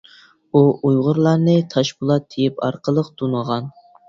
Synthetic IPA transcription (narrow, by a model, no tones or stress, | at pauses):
uʔujʁʊɾlˠɑɾnɨt̪ʰɑʃbulˠɑt̪ʰːejipɑ̰ɾqʰəlˠəq̚t̪ʰunəʁɑn